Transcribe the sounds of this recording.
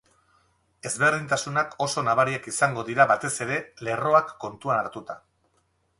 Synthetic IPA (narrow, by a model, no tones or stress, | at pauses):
e̞zβe̞ɾðint̪asunakʰo̞so̞naβaɾiakisaŋɡo̞ðiɾaβat̪e̞se̞ɾe̞le̞ro̞akːo̞nt̪uanaɾt̪ut̪a